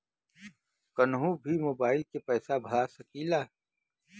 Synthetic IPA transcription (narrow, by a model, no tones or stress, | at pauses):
kənɦũbʱimoːbaːɪlkepɛːsabʱɐɭasɐkilaː